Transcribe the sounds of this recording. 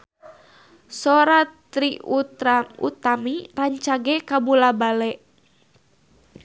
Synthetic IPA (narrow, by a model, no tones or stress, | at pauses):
sɔɾat̪ɾiuṵt̪amiraɲt͡ʃaɡɛkabulabalɛʔ